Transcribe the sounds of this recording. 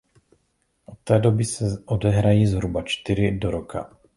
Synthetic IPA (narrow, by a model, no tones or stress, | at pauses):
ʔɔt̪ːɛːd̪ɔbisɛʔɔd̪ɛɦɾajiːzɦɾubat͡ʃt̪iɾid̪ɔɾɔkʰa̰